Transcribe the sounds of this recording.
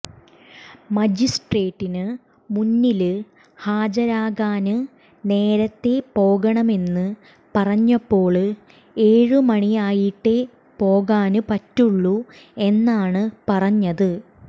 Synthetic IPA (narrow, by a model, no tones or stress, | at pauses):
mɐd͡ʑisʈre̞ːʈːinɨ | munːilɨ | haːd͡ʑɐɾaːɣaːnɨ | ne̞ːɾɐt̪ːe̞po̞ːɣɐɳɐme̞nːɨ | pɐrɐɲːɐpːo̞ːɭ | e̞ːɻɨmɐɳiaːjiʈːe | po̞ːɣaːnɨpɐtːuɭːu | e̞nːaːɳɨpɐrɐɲːɐðɨ